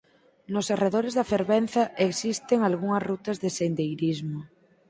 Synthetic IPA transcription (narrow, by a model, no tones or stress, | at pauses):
nosareðoɾezðafeɾβen̟θaʔeksist̪eŋalɣ̞uŋazrut̪azðesend̪ejɾizmo